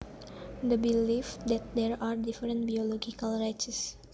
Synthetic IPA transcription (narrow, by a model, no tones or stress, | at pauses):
d̪əbilifd̪ɛt̪̚d̪ɛɹaɹdifəɾə̃nt̚biolɔɡikalrajt͡ʃəs